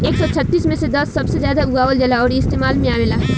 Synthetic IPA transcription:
eːksɔt͡ʃʰɐt̪ːiːsmẽsed̪ɐsːɐbsezjaːd̪auɡaːʋəld͡ʒɐlaɔːɾiɪst̪eːmaːlmẽaːmɪlaː

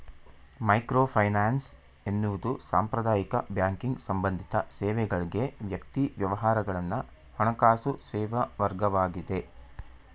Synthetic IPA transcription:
mɐjkɾoːpʰɐjnaːns | e̞nːuʋud̪usa̰ːmpɾɐd̪aːjikɐbjaːŋkiŋɡsɐmbɐnd̪ʱit̪ɐsɛːʋɛɡɐɭiɡe̞ʋjɐkt̪iʋjɐʋɐɦaːɾɐɡɐɭɐnːɐ | hɔɳɐkaːsusɛːʋɐʋɐɾɡɐʋaːɡid̪e̞

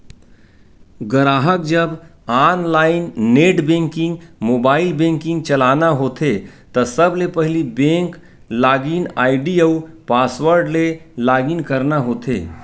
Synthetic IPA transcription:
ɡəɾaːɦək̚d͡ʒəbaːnlaːɪnːeːʈbẽːŋkɪ̃ŋɡmoːbaːɪlbẽːŋkɪ̃ŋɡ̚t͡ʃɐlaːnaɦoːt̪ʰet̪əsəblepəɦɪlibẽːŋk | laːɡinaːɪɖiəupaːsʋəɾɖlelaːɡinkəɾnaɦoːt̪ʰḛː

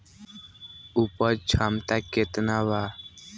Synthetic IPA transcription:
upəɾt͡ʃʰamt̪aket̪naʋa

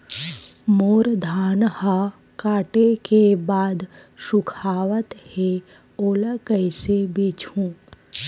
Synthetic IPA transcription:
moːɾd̪ʱaːnha | kaːʈekebaːd̪ | ʃʊkʰaːʋət̪he | oːləkəɪsebeːt͡ʃʰũː

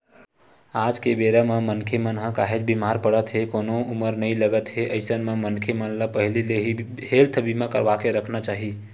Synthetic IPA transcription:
aːd͡ʒkebeːɾamẽmənkʰemənɦãkaːɦed͡ʒbimaːɾpəɽət̪ɦekonoʊməɾnəɦĩləɡət̪ɦeʔəɪsənmẽmənkʰemənlapəɦlileɦi | helt̪ʰəbimẽkə̰ɾʋakeɾəkʰnat͡ʃaːɦi

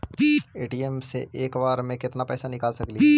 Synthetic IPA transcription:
eːʈiːɛmsḛʔeːkʋaːɾmẽkɪt̪napɛːsanɪkaːlsɐkli

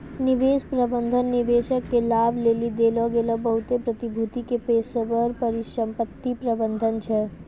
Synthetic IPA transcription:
nɪʋeːspɾəbə̃nd̪ʱənːɪʋeːʃəkːelaːbʱleːlid̪eːlɔɡeːlɔbɐɦut̪epɾɐt̪ibʱut̪ikepeːsəʋəɾpəɾiʃə̃mpət̪ːipɾəbə̃nd̪ʱənt͡ʃʰɛ

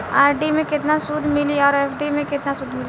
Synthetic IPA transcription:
aːɾɖimẽkɪt̪nasʊd̪ʱmɪliɔːɾɛːfɖimẽkɪt̪nasʊd̪ʱmɪli

